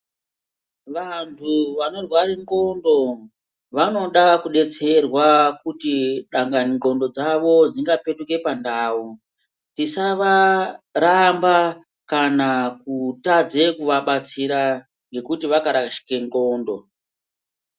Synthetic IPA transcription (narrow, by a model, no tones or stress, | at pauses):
ʋantʰuʋano̞rwaɾiŋɡo̞ndo̞ | ʋano̞ɗakuɗe̞t͡se̞rwakutiɗaŋɡaniŋɡo̞ndo̞d͡zaʋo̞d͡ziŋɡape̞tuke̞pandaːu | tisaʋaɾamba | kanakutad͡ze̞kuʋaɓat͡siɾa | ŋɡe̞kutiʋakaɾaʃi̥keŋɡoːndo̞